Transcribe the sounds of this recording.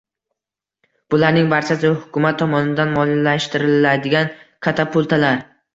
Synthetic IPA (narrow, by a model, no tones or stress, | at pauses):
b̥ʊlaɾnɪŋbaɾt͡ʃʰasɪhʊkʰʲʊmat̪ʰːɒmɒnɪd̪anmɒllaʃt̪ɪɾɪlad̪ɪɡʲankʰat̪ʰapʰʊlˠt̪ʰalaɾ